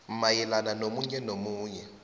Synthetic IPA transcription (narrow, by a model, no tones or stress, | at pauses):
majɛlananomuɲɛnomuːɲɛ